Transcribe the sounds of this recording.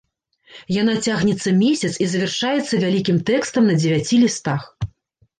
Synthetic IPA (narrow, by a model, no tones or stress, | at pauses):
janat͡sʲaɣnʲɛt̪sːɐmʲesʲɐt̪sizɐvʲɛrʂajɛt̪sːɐvʲalʲikʲimt̪ɛkst̪ɐmnɐd͡zʲɪvʲat͡sʲilʲist̪ax